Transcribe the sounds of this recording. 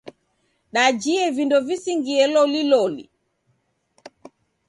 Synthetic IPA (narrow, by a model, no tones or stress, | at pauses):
ɗad͡ʒiɛvindɔvisiŋɡiɛlɔlilɔlḭ